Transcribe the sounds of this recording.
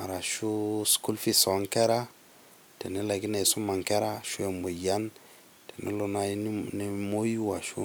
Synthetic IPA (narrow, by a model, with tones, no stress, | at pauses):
a˨ɾa˨ʃu˦sku˦lfi˦so˨˦ŋke˦ɾa˦ | te˨ne˦la˨ɡi˦na˨su˦ma˨ŋke˦ɾa˦ʃu˦e˨mbo˨ja˦n | te˨nḛ˦lo˨na˨˦ne˨mo˦ji˦wa˨ʃṵ˦